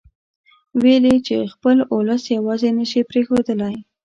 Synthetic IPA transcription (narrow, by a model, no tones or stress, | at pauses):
welit͡ʃexpəlʊləsjawɑzenəʃipɾexod̪əlaj